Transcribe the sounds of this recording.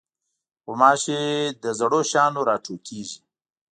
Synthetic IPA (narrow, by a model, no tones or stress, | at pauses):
xomɑːʃed̪əzɐɽoʃɑːnoɾɑːʈ͡ʂʰoːkiʒi